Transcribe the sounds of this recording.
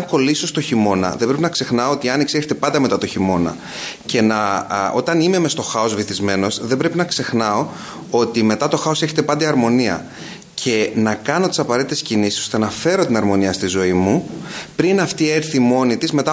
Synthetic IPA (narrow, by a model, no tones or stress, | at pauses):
ko̞liso̞st̪o̞çimo̞nɐ̰ðe̞mbɾepinɐkse̞xnɐoot̪iɐniksieçet̪epɐnd̪ɐme̞t̪ɐt̪o̞çimo̞nɐ̰ | ce̞nɐo̞̰t̪ɐnimemest̪o̞xɐo̞zviθizme̞no̞sðebɾe̞pinɐkse̞xnɐo̞ | o̞t̪ime̞t̪ɐt̪o̞xɐo̞seçet̪e̞pɐnd̪eɐɾmo̞niɐ̰ | cʰe̞nɐkɐno̞t̪i̥sɐpɐɾe̞t̪it̪e̞scinisi̥so̥t̪enɐfe̞ɾo̞t̪inɐɾmo̞niɐst̪izo̞imupɾinɐft̪ieɾθimo̞nit̪izme̞t̪ɐ